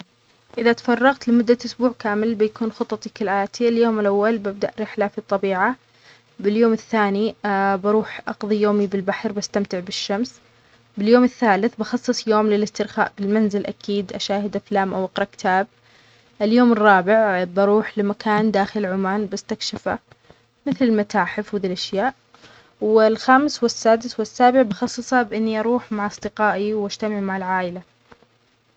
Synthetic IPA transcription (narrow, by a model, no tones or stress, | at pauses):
ʔɪðat̪ḁfɑrˤːɑɣt̪lɪmʊd̪ːaʔʊsbuːʕkaːmɪlbɪjakuːnxʊt̪ˤːɑt̪ˤikɪlʔaːt̪ʰiɪljoːmɪlʔawːalbab̚d̪aʔɾɪħlafit̪ˤːɑbiːʕa | bɪljoːmɪθːaːnibɑɾuːħʔɑqðˤijoːmibɪlbaħɾbast̪amt̪ɪʕbɪʃːams | bɪljoːmɪθːaːlɪθbɑxɑsˤːɨsˤjoːmlɪlɪst̪ɪɾxa̰ːʔbɪlmanzɪlʔakʰiːd̪ʔaʃaːhɪd̪aflaːmʔawʔɑqɾˤɑkɪ̥t̪ʰaːb̚ | ʔɪljoːmɨrˤːɑːbɪʕbɑɾuːħlɪmakaːnd̪aːxɪlʕʊmaːnbast̪akʃɪfa̰ | mɪθlɪlmat̪aːħɪfhðiːlʔaʃjaːʔ | wɪlxaːmɪswɪsːaːd̪ɪswɪsːaːbɪʕbɑxɑsˤːɨsˤɑbʔɪnːiʔɑɾuːħmaʕʔɑsˤd̪ɪqɑːʔiwʔad͡ʒt̪amɪʕmaʕɪlʕaːʔɪla